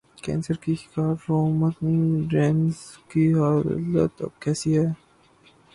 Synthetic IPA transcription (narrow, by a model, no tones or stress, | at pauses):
kɛ̰ːnsəɾkixɪ̥kaːɾːoːmɐt̪niɖɾɛːnzkiɦaːlə̰t̪ɐ̰b̚kɛːsiɦɛː